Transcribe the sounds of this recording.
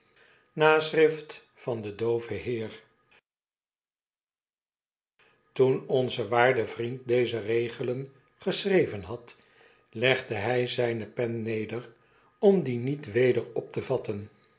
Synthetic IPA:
naːsrɪft | fɑndədowvəɦɪːɹ | tunɔnzəʋaːɹdəvrint̚dejzərejχələn | χəsrejvənɦɑt | lɛχdəɦɛjzɛjnəpɛnːejdər | ɔmdinitʋejdəɹɔp̚təvɑtən

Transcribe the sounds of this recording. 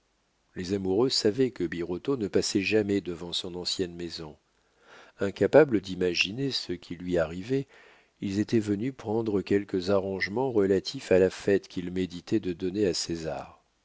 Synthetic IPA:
lezamuʁøsavɛkəbiʁot̪onəpasɛʒamɛd̪əvɑ̃sɔ̃nɑ̃sjɛnmezɔ̃ | ɛ̃kapabləd̪imaʒinesəkʲʰilɥiaʁivɛ | ilzet̪ɛvənypχɑ̃d̪ʁəkʲɛlkəzaʁɑ̃ʒmɑ̃ʁəlat̪ʰifalafɛt̪kʲilmed̪it̪ɛd̪əd̪ɔneaseza̰ːʁ

